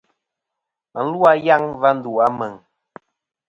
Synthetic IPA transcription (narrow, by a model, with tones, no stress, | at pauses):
mə˨n̩˦lu˦a˦ja˦ŋva˦n̩˦du˨a˦mə˨ŋ